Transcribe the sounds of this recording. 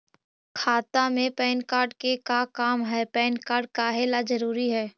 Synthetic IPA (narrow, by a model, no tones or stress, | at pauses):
kʰaːt̪amẽpɛːnkaːɾɖkekakaːmɦɛːpɛːnkaːɾɖ̚kaɦeːlad͡ʒɐɾuːɾiɦɛː